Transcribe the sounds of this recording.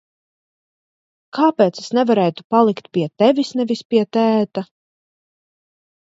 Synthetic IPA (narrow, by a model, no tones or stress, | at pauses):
kʰaːpeːt̪sesnɛvaɾɛːjt̪u̥palˠikt̪̚pʲiɛt̪ɛvisnɛvispiɛt̪æːt̪a